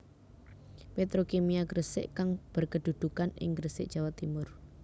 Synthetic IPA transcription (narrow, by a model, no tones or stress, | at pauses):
pet̪ɾokemiaɡɾəsɪ̰ʔkaŋb̥ərkəd̪̥ṳd̪̥ṳkanɪ̰ŋɡɾəsɪ̰ʔ̚ʒ̥a̤wat̪imʊr